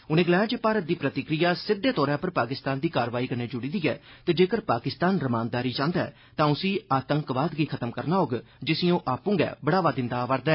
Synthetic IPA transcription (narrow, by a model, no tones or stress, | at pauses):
ʊnẽːɡəlɛːãd͡ʒeːpaːɾət̪̚d̪iːpɾət̪ɪkɾijaːsɪd̪ːeːt̪ɔːɾãːpəɾpaːkɪst̪aːnd̪iːkaːɾʋaːiːkəɾneːd͡ʒʊɽiːd̪iːɛ̰ːt̪eːd͡ʒeːkəɾpaːkɪst̪aːnɾəmaːnd̪aːɾiːt͡ʃãːnd̪aɛ̰ː | t̪ãːʊsĩːaːt̪əŋkʋaːd̪ɡiːkʰət̪əmkəɾnaːɦoːɡ | d͡ʒɪsĩːõːʔaːpũːŋɡɛ̰ːbəɽaːʋaːd̪ɪ̃nd̪aːʋəɾd̪ɛː